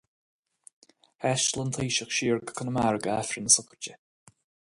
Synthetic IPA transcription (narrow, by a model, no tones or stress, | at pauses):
hɛʃlənt̪ʰiːʃəxʃiːɹɡə̥kʰənəmaɹɡəafɾənəsʊkət͡ʃə